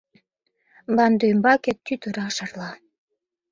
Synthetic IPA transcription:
bɑnd̪umbɑket̪ːyt̪əɾɑʃɑ̆rlɑ

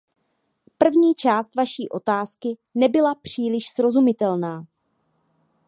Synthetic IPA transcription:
pr̩vɲiːt͡ʃaːst̪vaʃiːʔo̞t̪aːskɪnɛbɪlapr̝̥iːlɪʃsɾo̞zumɪt̪ɛlnaː

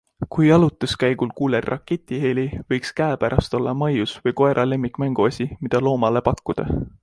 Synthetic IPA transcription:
kujɑlut̪ːˑeskæjɡ̥ulkuːlerːʔɑ̰kːe̞t̪ʲːˑiheːlivɤjkskæepæɾʔɑst̪o̞lːɑmɑjusvɤjko̞e̞ɾʔɑle̞mːikˑmæŋɡ̥uɑsʲimid̪̥ɑlo̞ːmɑle̞pɑkːud̪̥ɑ̰

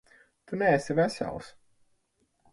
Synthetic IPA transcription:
t̪unɛɛsivæsa̰lˠs

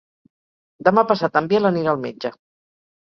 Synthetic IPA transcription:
d̪əmapəsat̪əmbeləniɾalˠmḛd͡ʒə

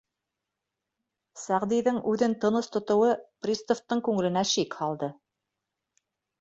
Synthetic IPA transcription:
sæʁd̪ijðɘŋʉðɘnt̪ɤ̆nɤst̪ŏt̪ŏwɤprʲist̪oft̪ːɤɴkʉŋɘ̆lɘ̆næʃikhɑlˠd̪ɤ

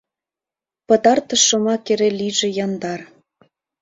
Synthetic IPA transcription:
pɤ̆t̪ɑrt̪əʃɤ̆mɑkeɾeliʒĕjɑnd̪ɑr

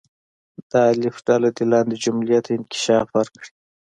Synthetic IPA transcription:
d̪̥ɑlɪfɖalad̪ilɑnd̪id͡ʒʊmlijat̪ʰoɪnkɪ̥ʃɑːfwaɾkɽi

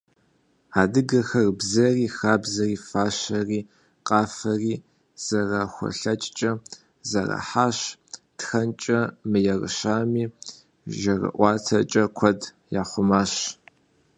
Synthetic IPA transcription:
aːdɨɡɐxɐrbzɐriːxaːbzɐriːfaːɕɐriː | qʼɑːfɐriː | z̥ɐraxʷɔ̰ɬɐt͡ʃʼt͡ʃʼɐ | zɐrɐ̰ħaːʃtxɐnt͡ʃʼɐmɨjɛrɨ̰ɕaːmiː | ʒɐrɐ̰ʔʷɑːtʰɐt͡ʃʼɐkʷʰɔd | jaːχʷʊmaːɕ

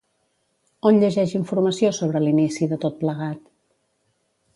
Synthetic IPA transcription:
onʎəʒɛʒiɱfuɾməsiosoβ̞ɾəlinisiðət̪ot̪̚pləɣ̞at̪

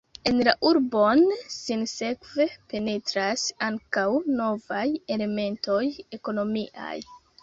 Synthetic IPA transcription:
e̞nlaʔuɾbonsinse̞kve̞pe̞ne̞tɾasaŋkawno̞vaje̞le̞me̞nto̞je̞ko̞no̞miʔa̰j

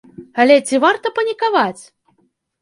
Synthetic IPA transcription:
alʲɛt͡sʲivart̪ɐpɐnʲikavat͡sʲ

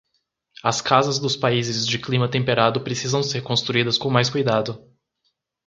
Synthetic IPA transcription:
ɐskazɐzd̪ʊspaizɪzd͡ʒɪklĩmɐt̪ẽmpeɾad̪ʊpɾesizɐ̃w̃seɾkõst̪ɾuid̪ɐskõmajskujd̪ad̪ʊ

